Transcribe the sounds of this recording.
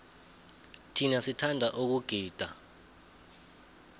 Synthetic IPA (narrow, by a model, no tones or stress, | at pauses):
tʰinasitʰandʱaʔuk̬uɡ̥ʱiːd̥ʱa̰